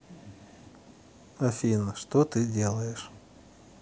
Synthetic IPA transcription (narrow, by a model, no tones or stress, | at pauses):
ɐfʲinəʂt̪ot̪ɨdʲelˠəjɪʂ